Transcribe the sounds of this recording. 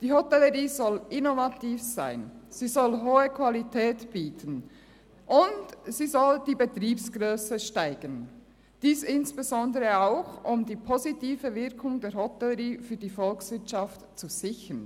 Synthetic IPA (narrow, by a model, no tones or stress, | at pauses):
d̥iːɦɔtɛləʁiːzɔlʔɪnovatiːfz̥a̰ɪnz̥iːzɔlɦoːəkv̥alitʰɛːtb̥iːtʰən | ʔʊntsiːzɔld̥iːbətʁiːpsɡ̥ʁøːsəʃtaɪɡ̥ən | d̥iːsɪnsb̥ezɔndəʁəaʊxʊmdiːpʰozitiːvəvɪɐkʰʊŋdeːɐhɔtɛləʁiːfyːɐdiːfɔlksvɪɐtt͡ʃaftt͡suz̥ɪçən